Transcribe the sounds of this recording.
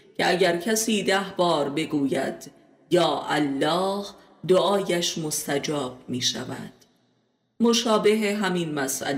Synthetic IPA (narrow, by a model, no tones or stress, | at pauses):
cʰeʔæɟæɾcʰæsiːd̪æhbɒːɾbe̞ɡuːjæ̰d̪̥ | jɒːʔælːɒːh | d̪oʔɒːjæʃmo̞st̪æd͡ʒɒːb̥̚miːʃæ̰væ̰d̪̥ | moʃɒːbe̞ɦeɦæminmæsʔæ̰l